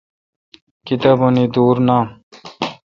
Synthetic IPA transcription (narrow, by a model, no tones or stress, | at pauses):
kit̪abunid̪uːɾnaː